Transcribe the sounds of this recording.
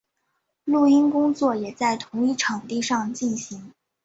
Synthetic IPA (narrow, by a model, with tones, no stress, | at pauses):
lu˥˩i˥nkʊ˥ŋt͡swɔ˥˩jɛ˨˩t͡sa˥˩ɪt̪ʰʊ˧˥ŋi˥˩ʈ͡ʂʰɑ˨˩ŋt̪i˥˧ʂɑ˥˧ŋt͡ɕi˥˩nɕi˧˥ŋ